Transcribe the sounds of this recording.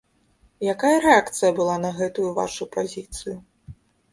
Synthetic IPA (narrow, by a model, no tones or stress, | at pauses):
jakajɐɾɛakt̪sɨjɐbɨlˠanɐɣɛt̪ujuva̰ʂupazʲit̪sɨju